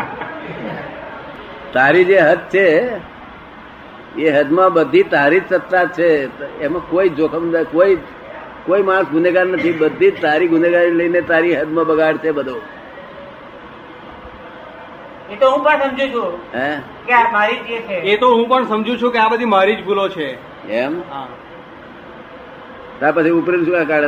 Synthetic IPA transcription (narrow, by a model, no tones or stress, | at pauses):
t̪aɾid͡ʒeɦət̪̚t͡ʃʰe | eɦəd̪mãbəd̪ʱit̪aɾid͡ʒsət̪ːat͡ʃʰeemãkoid͡ʒokʰəmnəkoi | koimaɽ̃sɡʱʊneɡannət̪ʰibəd̪ʱid͡ʒt̪aɾiɡʱʊneɡaɾneləinet̪aɾiɦəd̪mãbəɡaɽt͡ʃʰebəd̪ʱo | et̪oɦũpəɳsəmd͡ʒʱũt͡ʃʰũɦɛ | kjaɾmaɾid͡ʒet͡ʃʰeet̪oɦũpəɳsəmd͡ʒũt͡ʃʰũkeabəd̪ʱimaɾid͡ʒbʱulot͡ʃʰe | emɦã | t̪apət͡ʃʰiupɾenukãkaɽ